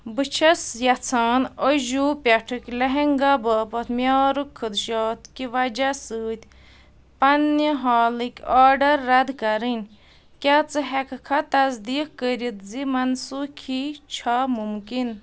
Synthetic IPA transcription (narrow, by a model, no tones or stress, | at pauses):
bɨt͡ʃʰɐsjɐt͡sʰaːnəʒuːpʲɐʈʰɨkʲlɐɦeŋɡabɐːpɐt̪mjaːɾukʰːɨd̪ʃaːt̪kiʋɐd͡ʒasɨːt̪ʲ | pɐnːiɦaːlɨkʲaːɖɐɾːɐd̪kɐɾɨnʲ | kʲat͡sɨɦɛkʰkʰɐt̪ɐzd̪iːkkəɾʲit̪zimɐnsukʰit͡ʃʰamumkin